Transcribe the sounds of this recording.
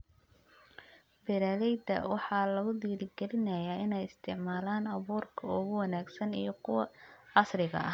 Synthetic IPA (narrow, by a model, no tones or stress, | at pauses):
bɛɾaːlɛjd̪ɐ̰wɑħɑːlɐɣʊd̪iːlɪɡɛlɪnɐjaːɪnɛjɪst̪ʰɪʕmaːlaːnɐβuːrkʰɐʊɣʊwɑnaːɡsɐnijɞkʰʊwɑʕɑsrɪɣɐ̰ʔɐ̰